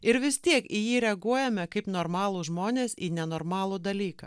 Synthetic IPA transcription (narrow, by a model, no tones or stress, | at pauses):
ɪɾʋʲɪst̪ʲiɛkijiːɾʲɛɐɡuɔjɛmʲɛkɐɪpnoːɾmɑːlˠuːʒmoːnʲeːsiːnʲɛnoːɾmɑːlˠuːd̪ɐlʲiːkɐ̰ː